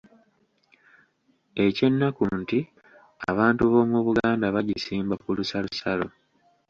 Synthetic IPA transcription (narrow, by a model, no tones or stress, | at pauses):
e̞ce̞nːakunti | a̰βaːntuβo̞ːmuβuɡaːndaβaɟisiːmbakulusalusalo̞̰